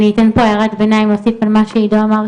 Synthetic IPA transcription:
niːt̪enpoeʁat̪benaimosifalmaʃeidoamaʁ

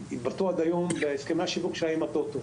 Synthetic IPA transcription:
ibat̪uad̪ajombeheskemeaʃivukʃelajimat̪ot̪o

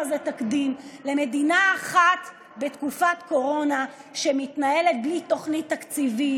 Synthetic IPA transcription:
zet̪akd̪imle̞me̞d̪inaːχat̪ | be̞tkufat̪ko̞ʁo̞naʃe̞mit̪naje̞le̞t̪̚blit̪o̞χnit̪ːakt͡sivi

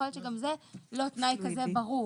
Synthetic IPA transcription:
olʃeɡamzelo̞t̪najkazebaʁu

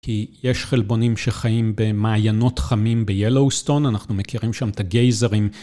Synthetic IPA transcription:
kʰijeʃχelbo̞nimʃeχajimbe̞maːjano̞tχamimbejelowsto̞nanaχnumekiʁimʃamt̪aɡejzeʁim

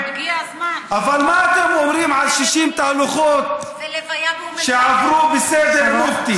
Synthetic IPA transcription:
ʔavalmaat̪emʔomɾiːmʕalʃiʃiːmt̪aʔluxoːt̪ | ʃeʕabɾuːbɪseːd̪eɾmʊft̪i

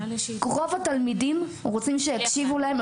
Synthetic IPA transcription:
kʁo̞vat̪almidimʁot͡simʃejakʃivulaem

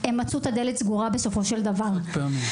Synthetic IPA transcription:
emːat͡sut̪ad̪elet̪sɡuʁabeso̞fo̞ʃe̞ld̪avaʁpemi

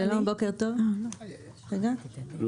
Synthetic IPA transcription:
elonbokeʁt̪ov | ʁeɡa

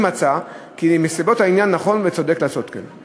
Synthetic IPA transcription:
mat͡sakimesibo̞thainjanːaχo̞nvet͡so̞d̪e̞klaːso̞t̪ka̰n

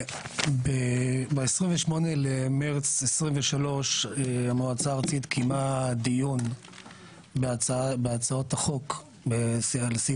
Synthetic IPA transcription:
bebeesʁimveʃmo̞nelemeʁt͡sesʁiɱveʃalo̞ʃeamoat͡saːʁat͡sit̪kʰimad̪ijun | babeat͡sao̞t̪aχo̞k | besalsi

